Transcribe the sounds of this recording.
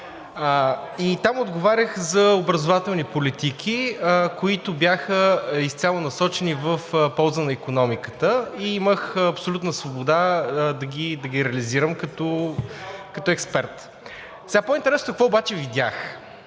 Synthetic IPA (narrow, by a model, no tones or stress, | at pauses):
it̪amod̪ɡovaɾʲəxzɐobɾɐzovat̪ɛlˠnipolit̪ikʰikoit̪ʊbʲjaxəist̪sʲjalˠonɐsɔt͡ʃɛnivəfpɔlˠzənɐikonɔmikət̪əiiməxɐpsolʲut̪nəsvobod̪ad̪ɐɡʲid̪ɐɡiɾɛəliziɾəmkɐt̪ɔ | kɐt̪ɔɛkspɛɾt̪ | sɛɡapoint̪ɛɾɛsnʊkəkvɔobat͡ʃɛvid̪ʲax